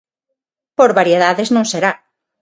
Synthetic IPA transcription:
poɾβaɾjeð̞aðeznõŋseɾa

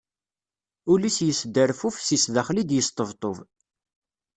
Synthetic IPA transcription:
ulisjəsd̪ːəɾfufsisðæχlid̪jəst̪ˤəvt̪ˤov

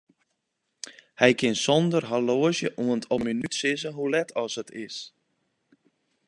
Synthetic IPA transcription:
hɛjkʰɪnsɔndərɦaloəzjəʔuəntʰɔminytsɪzəɦulɛtʰɔshətʰɪs

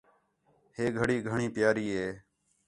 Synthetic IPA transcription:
heːɡʱəɽiːɡʱəɳĩːpjaːɾiːɦeː

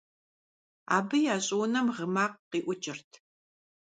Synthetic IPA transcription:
a̰ːbɨjaːɕʼʊwnɐmʁəmaːqːiːʔʷʊt͡ʃʼɪrtʰ

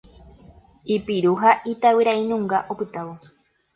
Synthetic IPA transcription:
ipiɾuɦaʔit̪awɨɾainũŋɡaʔopɨt̪awo

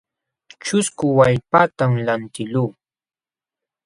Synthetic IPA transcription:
t͡ʃʊskʊwaʎpat̪amlant̪ɪluː

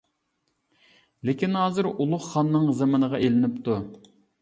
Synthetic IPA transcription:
lekʲinɑːzɨɾulˠʊχːɑnːɨŋzemɑnəʁɑʔelɪnɪpt̪u

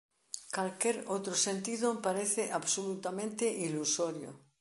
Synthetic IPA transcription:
kalkeɾot̪ɾosẽnt̪iðopaɾeθeʔaβsolut̪amẽnt̪eʔilusoɾjo̰

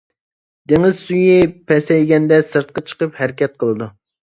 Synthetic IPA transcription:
d̪̥eŋɪzsujipʰɛsɛjɡʲɛnd̪ɛsɨɾt̪̚qɑt͡ʃʰə̥qəphæɾɪkʲɛt̪̚qʰəlˠɨd̪u

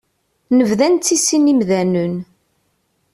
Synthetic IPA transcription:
nəvðænt̪ːisinimðænən

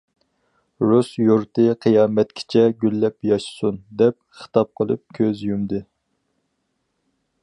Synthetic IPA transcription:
ɾusjuɾt̪ɨqʰɨjɑːmɛt̪kʲʰi̥t͡ʃʰɛɡʲylːɛpjɑʃsund̪ɛp̚χə̥t̪ʰɑp̚qʰəlˠɨ̰p̚kʲʰøzjymd̪ɨ

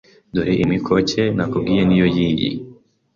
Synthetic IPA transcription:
duheʔimikʰoce̞nakub̚ɡiːjenijojiːjḭ

